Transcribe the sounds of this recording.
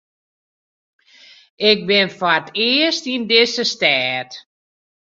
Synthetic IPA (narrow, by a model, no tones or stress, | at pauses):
ɪk̚bɪnfaətʰɪəstindɪsəstɛːt